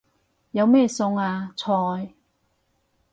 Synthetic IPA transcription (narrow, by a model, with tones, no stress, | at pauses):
jɐ˨˧wmɛː˥˧sʊ˧ŋaː˧t͡sʰɔː˧j